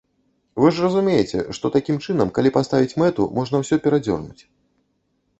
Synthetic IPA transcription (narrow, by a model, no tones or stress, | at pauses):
vɨʐrɐzumʲejɛt͡sʲɛ̰ʂt̪ɔt̪akʲimt͡ʂɨnɐmkalʲipast̪avʲit͡sʲmɛt̪ṵmɔʐnɐwsʲɔpʲɛɾad͡zʲɔ̰rnut͡sʲ